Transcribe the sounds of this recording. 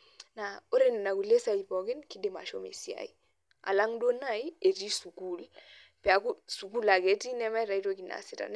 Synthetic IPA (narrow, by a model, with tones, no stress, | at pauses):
na˨o˦ɾe˦ne˨na˨ku˨le˦sa˨i˨pɔ˨ɡɪ˦nki˦de˨ma̰˨ʃo˦mḛ˨si˦a̰˨i˨ | a̰˨la˦ŋdo˦na˦jie˨ɾi˦su˨ku˦˨l | pa˨ku˦su˨ku˦la˨ɡe˨˦ti˦nɛ˦mɛ˦ɾa˨i˦to˦ki˨na̰˨sɪ˦ta̰˨n